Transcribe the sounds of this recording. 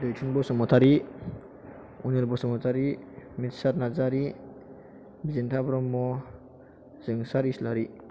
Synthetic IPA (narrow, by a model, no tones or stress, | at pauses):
dojtʰunbɔsɔmɔt̪ʰaɾi | uneɾbɔsɔmɔt̪ʰaɾimit̪saɾnazaɾi | bizintʰabɾɔmːɔ | zɯŋsaɾislaɾi